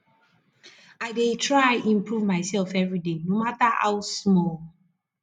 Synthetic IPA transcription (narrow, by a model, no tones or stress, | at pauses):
aɪdetʰɹaɪʔĩmpɹuvmaɪsɛlfɛvɹidenomataha̰wsmɔl